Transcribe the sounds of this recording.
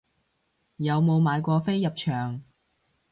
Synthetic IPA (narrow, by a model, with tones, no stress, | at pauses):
jɐ˨˧wmo˨˧wmaː˨˧jkʷɔː˧fe˥jjɐ˨p̚t͡ʃʰœː˨˩ŋ